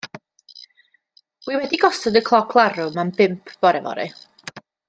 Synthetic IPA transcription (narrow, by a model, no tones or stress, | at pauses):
wiwɛdiɡɔsɔdəkʰlˠɔkʰlˠaɾʊmambɪmpʰv̥ɔɾɛvɔ̰ɾɛ̰